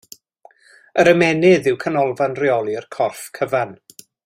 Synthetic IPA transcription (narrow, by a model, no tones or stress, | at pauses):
əɾəmɛnɪðɪwkʰanɔlˠvanriɔlˠiərkʰɔrfkʰəvan